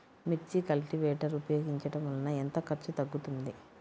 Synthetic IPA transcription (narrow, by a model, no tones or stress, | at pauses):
miɾt͡ʃːikɐlʈiʋɛːʈɐɾupɐjoːɡiɲt͡ʃɐʈɐmʋɐlɐnɐent̪ɐkɐɾt͡ʃut̪ɐɡːut̪und̪i